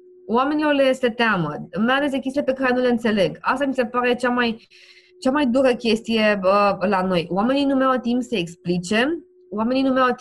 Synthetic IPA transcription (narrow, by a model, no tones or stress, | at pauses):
wame̞nilo̞rle̞set̪eaməmealesd̪ekʲest̪ilepe̞kaɾe̞nule̞ɨnt̪se̞le̞ɡast̪amise̞paɾe̞t͡ʃamaj | t͡ʃamajd̪uɾəkʲe̞st̪ije̞əlano̞joame̞ninumeawt̪impsəeksplit͡ʃe̞ | wame̞ninumeawt̪